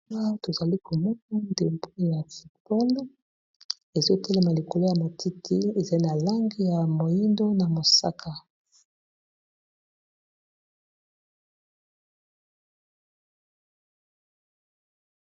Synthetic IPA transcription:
a˦to˨za˨li˦kʰo˨mɔ˦na˦nde˨mbu˦ja˨fu˨tb̥ɔ˦l | e˨zo˦te˦le˨ma˨li˨ko˨lo˦ja˨ma˨tʰi˦tʰi˦e˨za˨˦i˦na˨la˦ŋɡi˦ja˨mo˨ji˦ndo˦na˨mo˨sa̰˦kʰa˨

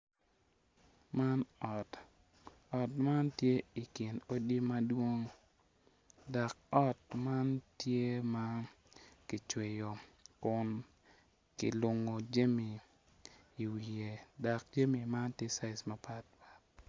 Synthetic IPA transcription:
ma˦nɔ˨t | ɔ˨tma˦ntje˦i˨kɪ˨no˦di˦ma˦dwo˦ŋ | da˨k̚ɔ˦tma˦ntje˦ma˦ | kɪ˨t͡ʃwe˨jo˨kʊ˨n | kɪ̰˨lʊ˨ŋo˨d͡ʒe˦mi˨ | i˨wi˨je˨da˨k̚d͡ʒe˦mi˨ma˦ntje˦sa˦ɪ˨sma˦pa˦t̚pḁ˨t̚

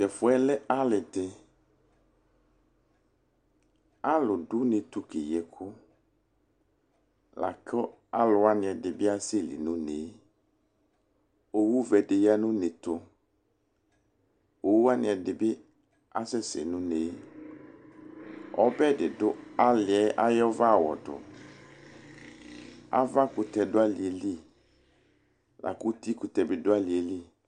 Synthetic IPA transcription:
tɛ˨fʊ˨ɛ˦lɛ˦a˦lɪ˨dɪ˨ | a˦lʊ˨ɖʊ˦nɪ˨t̪u˨ki˨jɛ˨kʰʊ˦ | la̰˨kʰɔ˦ | a˦lʊ˨a˦nɪ̃˨ɛ˨dɪ˨bɪ˦a˦sɪ˦˨lḭ˨nũ˦ne˨˦ | o˨wu˦vɛ˨dɪ˨ja˦nʊ̃˦nɪ˨t̪ʊ˨ | o˨wu˦a˦nɪ̃˨ɛ˨dɪ˨bɪ˦ | a˦sɛ˦sɪ̰˨nʊ̃˦ne˨˦ | ɔ̰˦bɛ˦˨dɪ˨dʊ˦a˦lɪ˨ɛ˦ʔa˦jɔ˦va˦˨wɔ̰˨dʊ̰˨ | a̰˦va˦kʊ˨t̪ɛ˨dʊ˦a˦lɪ˨ɛ˨li˦ | lʔa̰˨kʊ˦t̪i˦kʊ˨tɛ˨bɪ˨dʊ˦a˦lɪ˨ɛ˨li˦

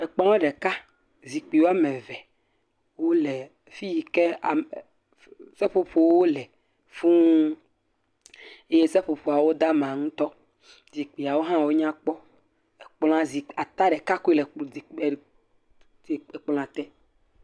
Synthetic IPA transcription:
ɛ˨k͡plɔ̃˦ɛ˦ɖɛ˨ka˦ | zi˨k͡pi˨wo˦a˦mɛ̃˨vɛ˨ | wo˦lɛ˨ | fi˦ji˨kɛ˦a˨ | sɛ˦ɸo˨ɸo˦wo˦lɛ˨ | fũ˦ | e˦je˦sɛ˦ɸo˨ɸo˨a˨wo˦d̪a˦mã˨ŋũ˦t̪ɔ˦ | zi˨k͡pi˨a˨wo˦ɦã˦wo˦ɲã˦k͡pɔ˦ | e˨k͡pl̃ã˨zi˨a˨t̪a˦ɖɛ˨ka˦ku˦i˦lɛ˨k͡pi˨ | e˨k͡pl̃ã˨t̪ɛ˦

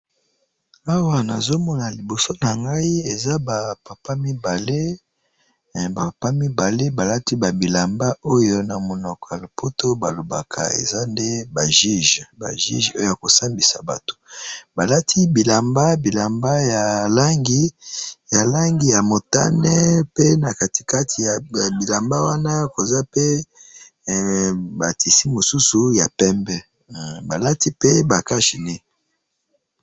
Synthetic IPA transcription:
a˦wa˨na˨zo˦mɔ˦na˨li˨bo˨so˦na˨ŋɡa˦i˦e˨za˦ba˨pa˨pa˦mi˦ba˨le˦˨ | ba˨pa˦mi˦ba˨le˦ba˨la˦ti˦ba˨bi˨la˨mba˦ʔo˦jo˦na˨mo˨nɔ˨kɔ˨ja˨lo˨pʰo˦to˦ba˨lo˨ba̰˨kʰa̰˨ḛ˨za˦nde˦ba˨ʒi˦ʒba̰˨ʒḭ˦ʒo˦jo˦˨ja˨ko˨sa˦mbi˨sa̰˨ba̰˨to̥˨ba˨la˦tʰi˦bi˨la˨mba˦bi˨la˨mba˦ja˨la˦ŋɡi˦ja˨la˦ŋɡi˨ja˨mo˨ta̰˦nɛ˦pe˦na˨ka˨ti̥˨ka˦tʰi˨ja˨bi˨la˨mba˦wa˦na˦˨ko˨za˦pe˦ | ba˨ti˨si˦mo˨su˦su˨ja˨pɛ˦mbɛ˦ | ba˨la˦ti˦pe˦ba˨ka˦ʃi˨ne˦

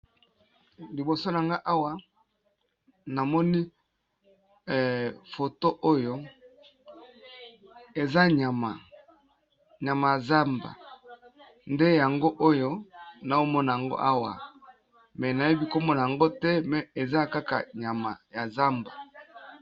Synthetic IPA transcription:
li˨bo˨so˦n˨a˨ŋɡa˦ʔa˦wa˨ | na˨mɔ˦ni˦˨ | fo˨to˦ʔo˦jo˦ | e˨za˦ɲa˨ma˨ | ɲa˨ma˨ja˨za˦mba̰˨ | nde˦ja˨ŋɡo˦ʔo˦jo˦na˨o˦mɔ˦na˨ja˨ŋɡo̰˦ʔa˦wa̰˨ | mɛ˨na˨je˦bi˦ko˦mɔ˦na˨a˨ŋɡo˦tɛ˦mɛ˨e˨za˦ka˦ka̰˨ɲa˨ma̰˨ja˨za˦mba̰˨

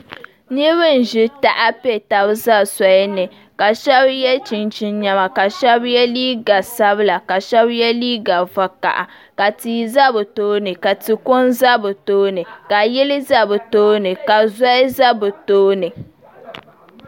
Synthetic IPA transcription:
ni˦βɨ˦n̩˨ʒɪ˦ta˦ʔa˦pe˦ta˨bza˦sa˨jɛ˦nɨ˨ | ka˨ʃɛ˦bjɛ˦t͡ʃi˨nt͡ʃi˦n˦ɲɛ˦ma˨ka˨ʃɛ˦bjɛ˦liː˦ɡa˨sa˦bɨ˦la˨ka˨ʃɛ˦bjɛ˦liː˦ɡa˨va˨ka̰˨ʔa̰˨ | ka˨tiː˨za˦bɨ˨toː˦nɨ˨ka˨ti˨ko˦nza˦bɨ˨toː˦nɨ˨ka˨jɪ˦lɪ˦za˦bɨ˨toː˦nɨ˨ka˨za˦za˦bɨ˨toː˦nɨ˨

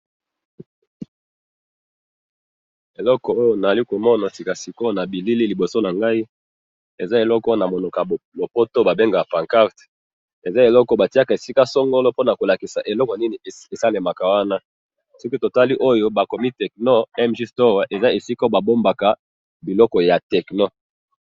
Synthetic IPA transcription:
e˨lɔ˦kɔ˨o˦jo˦na˨a˨li˦ko˨mɔ˦na˨si˨ka˨si˨ko˦na˨bi˨li˦li˦li˨bo˨so˦na˨ŋɡa˦i˦ | e˨za˦e˨lɔ˦kna˨mo˨no˨ka˨lo˨po˦to˦ba˨be˦ŋɡa˨pã˨ŋka˦ʁt | e˨za˦e˨lɔ˦kɔ˨ba˨ti˦a˦ka˨e˨si˦ka˦sɔ˦ŋɡo˦lo˦po˦na˨ko˨la˨ki˨sa˨ʔe˨lɔ˦kɔ˨a˨ni˦ni˨e˨sa˦le˨ma˨ka˨wa˦na˦ | sɔ˦ki˦to˨ta˦li˦ʔo˦jo˦ba˨ko˨mi˦tɛ˨k̚no˦ɛ˦mʒi˦sto˦wa˦ʔe˨za˦e˨si˦ka˦ba˨bo˦mba˨ka˨ | bi˨lɔ˦kɔ˨ja˨tɛ˨kno˦

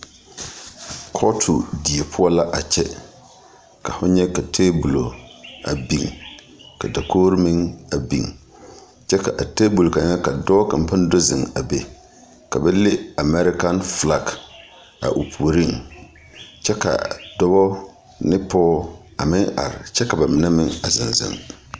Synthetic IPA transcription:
kʰɔ˦tʰu˨di˨e˨pʰʊ˦ɔ˦la˦ʔa˨t͡ʃɛ˦ | ka˨fʊ˦ɲɛ˦ka˨tʰeː˦bu˨lo˨a̰˨bi˨ŋ | ka˨da˨koː˦ɾɪ˦mɪ˦ŋa˨bḭ˨ŋ | t͡ʃɛ˦ka˨ʔa˨te˦bu˨lka˨ɲɛ˦ka˨dɔ˦bɔ˦ka˨m˨pa˦n˦do˦zɪ̰˨ŋa˨be˨ | ka˨bɛ˦le˦a˨mɛ˦ɾɪ˦ka˦nfla˦k | a̰˨ʔu˨pʰu˨o˨ɾi˦˨ŋ | t͡ʃɛ˦ka̰˨dɔ˦bɔ˦ | nɪ˦pɔː˦ | a˨mɪ˦ŋa̰˨ɾɪ̰˨t͡ʃɛ˦ka˨ba˨mɪ˨na˦mɪ˦ŋa˨zɪ˨nzɪ̰˨ŋ

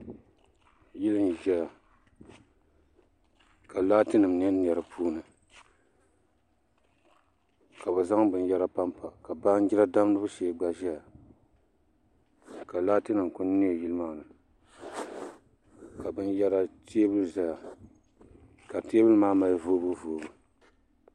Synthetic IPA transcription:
ji˦lɨ˦m˨ʒɛ˦ja˨ | ka˨laː˦tɨ˦nɨ˨m˨n˦ɛ˦n˨ɛ˨ɾɨ˨pʰuː˦nɨ˨ | ka˨bɨ˨za˦ŋbɨ˨n˦jɛ˦ɾa˦pa˦mpa˨ka˨baː˦n˦ɡʲi˦ɾa˦da˦m˦nɨ˦bɨ˦ʃɛː˨˦ɡ͡ba˦ʒɛ˦ja˨ | ka˨laː˦tɨ˦nɨ˨m˨kʊ˦n˦ni˦ɛ˨ji˦lɨ˦maː˦nɨ˨ | ka˨bɨ˦njɛ˦ɾa˦tʰe˦bɨ˦lza˦ja˨ | ka˨ti˦bɨ˦lmaː˦ma˦voː˦bu˦voː˨˦bɨ˦

